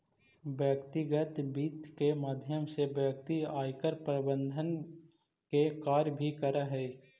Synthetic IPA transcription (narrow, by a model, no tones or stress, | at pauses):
ʋjəkt̪ɪɡət̪biːt̪kemaːd̪ʱjəmsebjək̚t̪iaːjkəɾpɾəbə̃nd̪ʱən | kekaːɾjbʱikəɾaɦɛː